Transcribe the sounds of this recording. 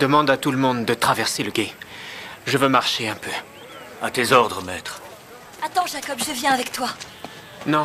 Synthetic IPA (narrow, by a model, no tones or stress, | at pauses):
d̪əmɑ̃d̪at̪uləmɔ̃d̪d̪ət̪χavɛʁseləɡʲe | ʒəvømaʁʃeɛ̃pø | at̪ezɔʁd̪ʁəmɛt̪χ | at̪ɑ̃ʒakɔbʒəvjɛ̃avɛkt̪wa | nɔ̃